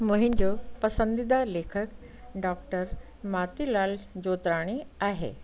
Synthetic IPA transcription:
mʊ̃ɦɪ̃nd͡ʑopɐsə̃nd̪id̪aleːkʰək | ɖɔːk̚ʈəɾ | maːt̪ilaːld͡ʑoːt̪ɾaːɽ̃iaːɦḛː

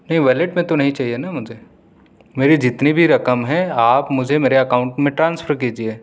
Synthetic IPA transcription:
nɐɦĩʋɛːleʈmẽt̪onɐɦĩt͡ʃaːɦienamʊd͡ʒʱe | meːɾid͡ʒɪt̪nibʱiɾɐkəmɦɛ̃aːpmʊd͡ʒʱemeːɾeɐkaːʊ̃ɳʈmẽʈɾãːnsfʰəɾk̬iːd͡ʒieː

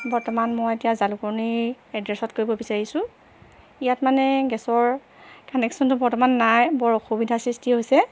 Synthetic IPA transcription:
bɔɹtɔmanmɔjetijazalukɔɹniɛdɹɛsɔtkoɹibɔbisaɹisʊ̃ | ijatmanɛɡɛsɔɹ | kanɛksɔntʊbɔɹtɔmanːajbɔɹɔxobidʱasɹistiɦojsɛ

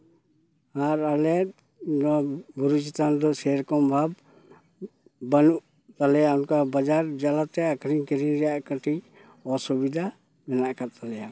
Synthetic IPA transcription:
aɾalɛt̪̚ | nɔbuɾut͡ʃit̪and̪ɔsɛɾkɔmbʱab̚ | banuʔ | t̪alɛjaunkabad͡ʒaɾd͡ʒalat̪ɛakɾiŋkɛɾiɾɛjaʔkaʈi | ɔsubid̪ʱa | mɛnaʔkat̪alɛja

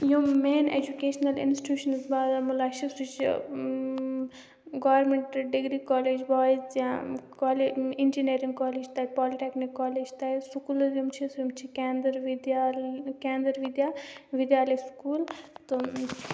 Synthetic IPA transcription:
jumeːnḛd͡ʒukeːʃnɐlḭnsi̥ʈjuːʃɐnzbaːd̪amulaːʃisut͡ʃ | ɡɔːʋɾmẽɳʈɖiɡɾikɔːleːd͡ʒbɔːjzjãkɔːleind͡ʒiniɾĩŋɡkɔːleːd͡ʒt̪ɐpɔːliʈeknikːɔːleːd͡ʒt̪asukulzjumt͡ʃʰisjumt͡ʃʰikɛnd̪ɐɾʋd̪jakɛ̃ːnd̪ɐɾʋid̪jaːʋid̪jaːlɐjskuːlt̪ɨ

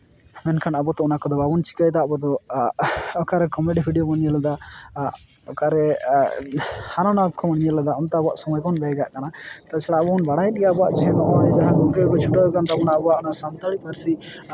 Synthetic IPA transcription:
mɛnkʰanabɔt̪ɔɔnakɔd̪ɔbabunt͡ʃi̥kəjt̪aʔbɔd̪ɔ | ɔkaɾɛkɔmɛɖipʰiɖijɔməniɲəlad̪a | ɔkaɾɛ | hanɔnab̚kʰɔməɽiɲəlad̪aɔnt̪ɛbɔaʔsɔmɔjkɔnbɛjɡaʔkanat̪at͡ʃʰɛɽabɔnbaɽajɗijabɔa̰ʔd͡ʒɛɦɛnɔʔɔɛd͡ʒaɦãɡɔŋkɛkɔt͡ʃʰuʈɔɛkant̪aɔnaʔbɔaʔɔnaʔsant̪əɽipəɾsi

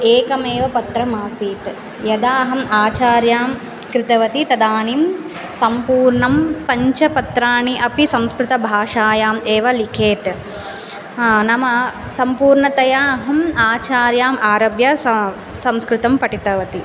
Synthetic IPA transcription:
eːkɐmeːʋɐpɐt̪ɾɐmaːsiːt̪ | jɐd̪aːɦɐmaːt͡ʃaːɾjaːm | kɾɪt̪ɐʋɐt̪it̪ɐd̪aːnim | sɐmpuːɾɳɐmpɐɲt͡ʃɐpɐt̪ɾaːɳiʔɐpisɐ̃mskɾɪt̪ɐbʱaːʂaːjaːmeːʋɐlikʰeːt̪ | nɐmɐ | sɐmpuːɾɳɐt̪ɐjaːɦɐmaːt͡ʃaːɾjaːmaːɾɐbjɐ | sɐmskɾɪt̪ɐmpɐʈit̪ɐʋɐt̪i

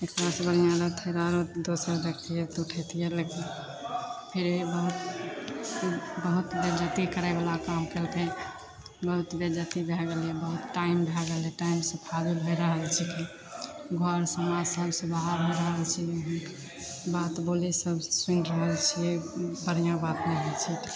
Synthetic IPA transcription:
ek̚t̪əɾasebəɾijãlət̪ʰeɾaɾod̪osəɾd̪ekt̪ʰijət̪uʈʰət̪ʰijəleke | pʰiɾibəɦut̪ | bəɦut̪bed͡ʒət̪ikəɾɛbalakamkelke | bəɦut̪bed͡ʒət̪ibʱɛɡəlebəɦut̪ʈaimbʱɛɡəlɛʈaimsə̃pʰad̪ilɦojɾəɦəlt͡ʃʰɛki | ɡʱəɾsəmad͡ʒsəbsubʱaɾɦojɾəɦəlt͡ʃʰi | bat̪bolisəbsunɾəɦəlt͡ʃʰibəɾ̤ijãbat̪meɦelt͡ʃʰit̪

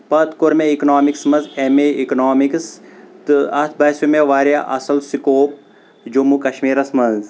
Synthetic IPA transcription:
pɐt̪koɾmeiknaːmiksmɐnzemeiknoːmikst̪ɨɐt̪ʰbɐsumeʋaːɾjaʔɐsɐlsikoːp̚ | d͡ʒomukɐʃmiːɾɐsmɐnz

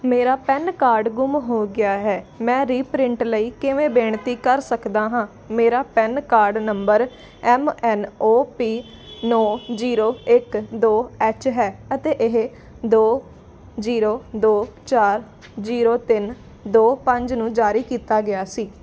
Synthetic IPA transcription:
meːɾaːpɛnkaːɾɖɡʊmɦoːɡɪaːɦɛːmɛ̃ːɾiːpɾɪ̃ɳʈləiːkɪʋẽːbeːɳt̪iːkəɾsəkd̪aːɦãː | meːɾaːpɛnkaːɾɖnəmbəɾ | ɛːmɛːnoːpiː | nɔːziːɾoːɪkd̪oːɛːt͡ʃɦɛːət̪eːʔɪɦ | d̪oː | ziːɾoːd̪oːt͡ʃaːɾ | d͡ʒiːɾoːt̪ɪn | d̪oːpəɲd͡ʒnũːd͡ʒaːɾiːkiːt̪aːɡɪjaːsiː

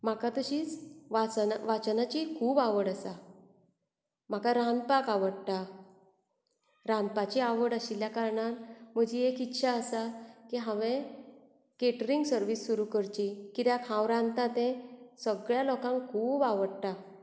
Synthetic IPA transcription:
m̤akat̪əɕiːt͡sʋat͡sʋat͡snat͡ɕikʰuːbaʋəɽəsa | m̤akaɾãnd̪̚pakaʋəɽt̪a | ɾãnd̪̚pat͡ɕiaʋəɽəɕiljakaɾɳat̪m̤əd͡ʑiekitːɕʰaəsakiɦãʋẽ | keʈɾiŋɡsəɾʋisːuɾukəɾt͡ɕikit̪jãkʰãwɾãnt̪at̪ẽsəɡɭjalɔkãŋkʰuːbaʋəɽt̪a

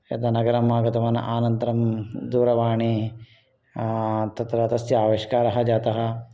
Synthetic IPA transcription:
ɐ̰t̪ɐnɐɡɐɾɐmaːɡɐt̪ɐʋɐnɐ̰ʔaːnɐnt̪ɐɾɐmd̪uːɾɐʋaːɳi | t̪ɐt̪ɾaːt̪ɐsjaːʋeʃkaːɾɐɦɐd͡ʒaːt̪ɐɦɐ̆

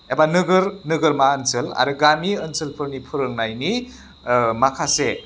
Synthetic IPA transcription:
ebanɯɡɯɾnɯɡɯɾmaənsɯla̰ɾɯɡamiənsɯlpʰɯɾnipʰɯɾɯŋnajni | makʰase

